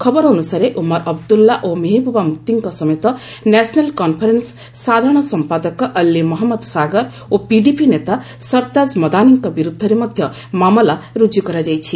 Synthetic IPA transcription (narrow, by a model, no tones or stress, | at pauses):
kʰɔbɔɾːnusaɾeʔumɔɾɐbd̪ulːaʔomeɦibʱubamut̪ːiŋkɔsɔmet̪ɔ | nɛsnelkɔnpʰəɾensː | ad̪ʱaɾɽ̃ɔsɔmpad̪ɔkɔʔɐlːimɔɦmːɔd̪saɡəɾ | opiɖipinet̪a | sʌɾt̪ad͡ʒmɔd̪aniŋkɔbiɾud̪ʱːəɾemʌd̪ʱjʌ | mamɔlaɾud͡ʒjukɔɾad͡ʒajt͡ʃʰi